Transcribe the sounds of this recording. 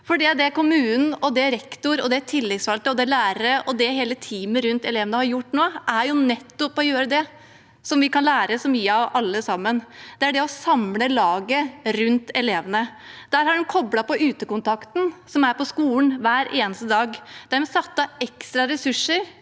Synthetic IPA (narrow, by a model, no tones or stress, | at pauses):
fɔɖiæd̪ɛkʊmʉːnn̩ɔd̪ɛɾɛkt̪ʊɾɔd̪ɛt̪ʰɪlːɛɡsfɑlt̪əɔd̪ɛlæːɾəɾəʔɔd̪ɛɦeːlət̪ʰiːməɾʉnt̪ɛleːʋənəhɑɾjʊʈːnoːʔæɾjʊnɛt̪ːɔpːɔjøːɾəd̪ɛ | sɔmʋɪkɑnlæːɾəsɔmyːəɑʋɑlːəsɑmːənd̪̥ɛæɖɛɔsɑmləlɑːɡəɾʉnt̪ɛleːʋənə | d̪̥æːɾhɑɖʉnkʰɔblɑpɔʔʉːt̪əkʊnt̪ʰɑkt̪n̩sɔmæɾpɔskuːlənʋæːɾʔeːnəst̪əd̪ɑːɡd̪̥æɾmɛsɑt̪ːɑɛkst̪ɾɑɾɛsʉʂːəɾ